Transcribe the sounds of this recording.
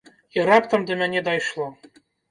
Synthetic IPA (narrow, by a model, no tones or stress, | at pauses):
iɾapt̪əmd̪əmʲænʲɛd̪ɑjʂlˠɔ